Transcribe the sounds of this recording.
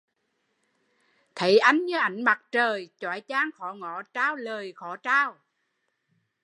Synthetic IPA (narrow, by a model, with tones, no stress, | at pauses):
t̪ʰə˨˦jʔa˨˦jŋ̟ɲɨ˨˧˦ʔa˨˩˦jŋ̟ma˨˩t̚t͡ɕəː˨˩jt͡ɕwa̰ː˧˨˩jt͡ɕaː˨˦ŋxɔ˧˩˦ŋɔ˧˩˦t͡ɕaː˧wləː˨˩jxɔ˧˩˦t͡ɕaː˧w